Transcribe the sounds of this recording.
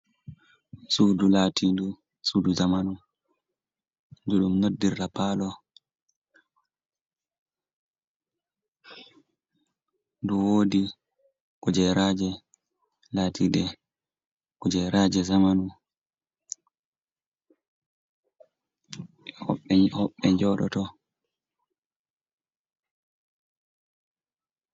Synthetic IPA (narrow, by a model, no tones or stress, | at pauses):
sudulatʰindu | suduzamanu | duɗumnodːirlapaːlɔ | duwoːdi | kɔd͡ʒɛɾad͡ʒɛ | latʰiɗɛ | kud͡ʒɛɾad͡ʒɛzamanu | hɔ̰ɓːɛhɔɓːɛɲd͡ʒɔɗɔ̰tɔ